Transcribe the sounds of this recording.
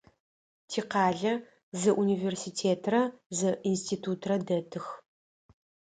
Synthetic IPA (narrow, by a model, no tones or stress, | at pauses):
tʰiːqɑːɮɐ | zɨʔuniversitʰeːtʰrɐzɨʔinstʰiːtʰutʰrɐdɐtʰɨx